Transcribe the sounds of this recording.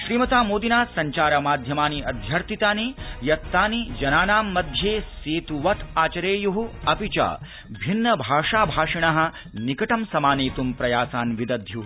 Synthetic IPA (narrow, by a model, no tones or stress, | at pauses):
ʃɾiːmɐt̪aːmoːd̪inaːsɐɲt͡ʃaːɾɐmaːd̪ʱjɐmaːniɐd̪ʱjɐɾt̪it̪aːnijɐt̪ːaːnid͡ʒɐnaːnaːmːɐd̪ʱjeːseːt̪uʋɐt̪ʰaːt͡ʃɐɾeːjuɦuɐpit͡ʃa̰ː | bʱinːɐbʱaːʂaːbʱaːʂiɳ̃ɐɦɐ̆ | nikɐʈɐmsɐmaːneːt̪umpɾɐjaːsaːnʋid̪ɐd̪ʱju